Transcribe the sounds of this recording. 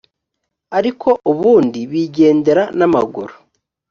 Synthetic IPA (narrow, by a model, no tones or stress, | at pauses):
aɾikʰo̞ʔuβuːndiβiːɟe̞ːnde̞ɾanama̰ɡṵɾo